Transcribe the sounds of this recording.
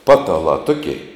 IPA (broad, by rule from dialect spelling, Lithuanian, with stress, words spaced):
ˈpɑːtɐlˠɑː ˈtʊkʲɛɪ